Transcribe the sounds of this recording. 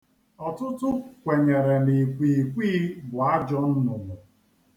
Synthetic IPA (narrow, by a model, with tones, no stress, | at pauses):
ɔ˨tʊ˦tʊ˦kʷe˨ɲe˨ɾe˨ni˨kʷi˨kʷiː˦bʊ˨a˦d͡ʒɔ˦n̩˦nʊ˨mʊ˨